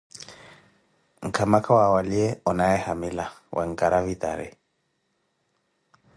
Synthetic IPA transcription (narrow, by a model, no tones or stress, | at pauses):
ŋ̩kʰamakʰawawaliɛɔnaɛhamɪlawʔɛ̰ŋ̩kʼaɾavit̪ʼa̰ɾɛ̰